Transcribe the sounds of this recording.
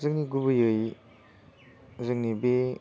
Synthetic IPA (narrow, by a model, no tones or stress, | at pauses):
zɯk̚niɡubɯjɯj | uzɯk̚nibe